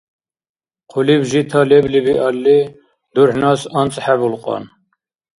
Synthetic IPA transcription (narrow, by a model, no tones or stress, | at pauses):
qʰulibʒit̪ʰɑleblibiʔɑlːi | d̪uɾħnɑsɑnt͡sʼħæbulqʼɑ̰n